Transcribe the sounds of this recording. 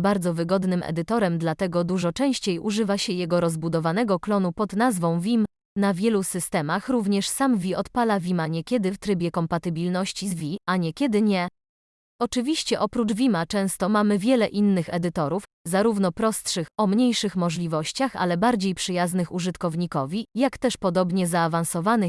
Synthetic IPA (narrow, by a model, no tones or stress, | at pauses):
baɾd̪zɔvɘɡɔd̪nɘmʔɛ̰d̪ɘt̪ɔɾɛmd̪lat̪ɛɡɔd̪uʐɔt͡ʂɛ̃w̃ɕt͡ɕejʔuʐɘvaɕɛjɛɡɔɾɔzbud̪ɔvanɛɡɔklɔnupɔd̪nazvɔ̃w̃vʲim | navʲjɛlusɘst̪ɛmaxɾuvɲɛʂsamvʲiɔt̪palavʲimaɲɛkʲjɛd̪ɘft̪ɾɘbʲjɛkɔmpat̪ɘbʲilnɔɕt͡ɕizvʲiaɲɛkʲɛd̪ɘɲɛ | ɔt͡ʂɘvʲiɕt͡ɕɛʔɔpɾut͡ʂvʲimat͡ʂɛ̃w̃st̪ɔmamɘvʲjɛlɛʔinːɘxɛ̰d̪ɘt̪ɔɾuf | zaɾuvn̪ɔpɾɔst̪ʂɘxɔmɲejʂɘxmɔʐlʲivɔɕt͡ɕaxa̰lɛbaɾd͡ʑejpʂɘjaznɘxuʐɘt̪kɔvɲikɔvʲijakt̪ɛʂpɔd̪ɔbɲɛzaːvañsɔvanɘ